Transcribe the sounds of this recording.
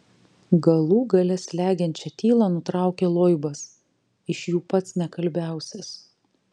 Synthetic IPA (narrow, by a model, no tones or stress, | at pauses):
ɡɐlˠuːɡɐlʲɛslʲæːɡʲɛnʲt͡ʃʲɛt̪ʲiːlˠɑːnʊt̪ɾɑˑʊkʲeːlˠoːɪbɐs | ɪʃjuːpɐt̪snʲɛkɐlʲbʲæˑʊsʲɛs